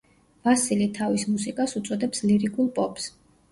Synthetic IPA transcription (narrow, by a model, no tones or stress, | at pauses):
vasilit̪ʰavismusikʼasut̪sʼɔd̪ɛpsliɾikʰʼulˠpʼɔpʼs